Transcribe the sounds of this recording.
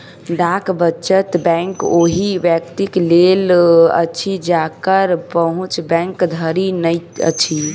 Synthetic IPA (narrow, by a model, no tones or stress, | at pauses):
ɖakbət͡ʃət̪bɛ̃ŋkoɦiʋjəkt̪iklelə̰t͡ʃʰid͡ʒakəɾpəɦũt͡ʃbɛ̃ŋkd̪ʱəɾinəjə̰t͡ʃʰi